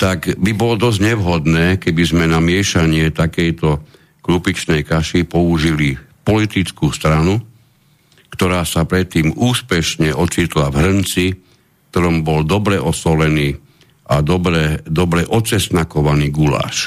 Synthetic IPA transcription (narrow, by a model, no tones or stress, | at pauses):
t̪aɡbibɔlɔd̪ɔzɟɲɛʋɦɔd̪nɛːkɛbizmɛnamɪɛʃaɲɪɛt̪akɛjt̪ɔ | klupit͡ʃnɛjkaʃipɔuʒilipɔlit̪it͡skuːst̪ɾanu | kt̪ɔɾaːsapɾɛt̪ːiːmuːspɛʃɲɛʔɔt͡ʃit̪lavɦɾ̩nt͡si | k̚t̪ɔɾɔmbɔld̪ɔbɾɛʔɔsɔlɛniː | ʔad̪ɔbɾɛd̪ɔbɾɛʔɔt͡sɛst̪nakɔʋaniːɡula̰ːʃ